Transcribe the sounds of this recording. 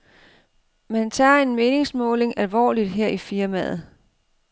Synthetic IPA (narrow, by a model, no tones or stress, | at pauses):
mænt͡sʰɑ̈ːe̝nme̝ːne̝ŋsmɔ̰̽ːle̝ŋælʋɒ̰ːlid̥ɦeɐ̰ifiɐmæð̩ˠ